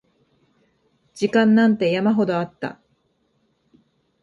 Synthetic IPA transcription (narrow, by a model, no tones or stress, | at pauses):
d͡ʑikãnːãnt̪e̞jamaɦo̞d̪o̞at̪ːa̰